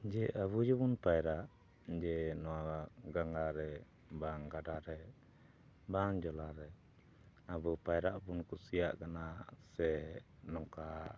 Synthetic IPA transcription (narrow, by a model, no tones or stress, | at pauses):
d͡ʒɛʔəβud͡ʒibunpajɾaʔ | d͡ʒɛnɔwaɡaŋɡaɾɛ | baŋɡaɖaɾɛ | baŋd͡ʒɔlaɾɛ | abupajɾaʔpunkusija̰ʔkanasɛnɔŋka